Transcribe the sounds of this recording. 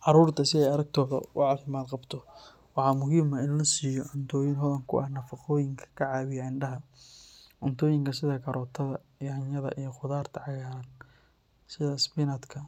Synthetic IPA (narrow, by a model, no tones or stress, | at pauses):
ʕɑɾuːrt̪ʰɐsɪɛjɐɾɐɡ̚t̪ʰɔːɣɐ̰ʊ̰ʕɑːfɪmaːd̪qɑbt̪ʰɔ | wɑħɑːmʊɦiːmɐɪnlɐsiːjɔʕʊnt̪ʰɔːjɪnɦɔðɐŋkʰʊ̰ʔɐhnɐfɑqɔːjɪŋkʰɐ̥kʰɐʕɑːβɪjɐɪnɖɐɦɐ | ʕɔnt̪ʰɔːjɪŋkʰɐsɪðɐkʰɐɾʔɔːt̪ʰɐðɐ | hɐnɐðɐ̰ʔijɞqʊðaːrt̪ʰɐʕɑɣaːɾɐn | sɪðɐsbɪnɐd̪kʰɐ